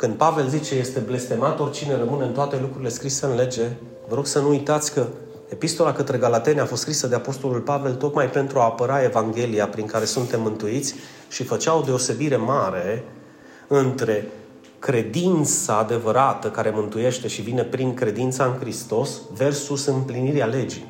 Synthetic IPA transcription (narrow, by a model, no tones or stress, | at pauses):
kɨnd̪̚pave̞lzit͡ʃe̞je̞st̪e̞ble̞st̪e̞mat̪o̞rʲt͡ʃine̞rəmɨneɨnt̪oat̪e̞lukɾuɾile̞skɾise̞ɨnle̞d͡ʒe̞ | vəɾo̞ɡ̥sənuujt̪at̪sʲkə | epist̪o̞lakət̪ɾe̞ɡalat̪e̞nafost̪kɾisəd̪e̞apo̞st̪o̞lulpave̞lt̪o̞k̪majpe̞nt̪ɾuaːpəɾae̞vaŋɡʲe̞lijapɾiŋkaɾe̞sunt̪e̞mːɨnt̪uit̪sʲ | ʃifət͡ʃawod̪e̞o̞se̞biɾe̞maɾe̞ | ɨnt̪ɾe̞ | kɾe̞d̪int̪saːd̪e̞vəɾat̪əkaɾe̞mɨnt̪uje̞ʃt̪e̞ʃivine̞pɾiŋkɾe̞d̪int̪saɨŋkɾist̪o̞sve̞rsusɨmpliniɾeale̞d͡ʒi